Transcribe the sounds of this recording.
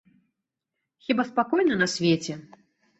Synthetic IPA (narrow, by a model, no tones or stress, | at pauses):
xʲibaspakɔjnɐnɐsʲvʲet͡sʲɛ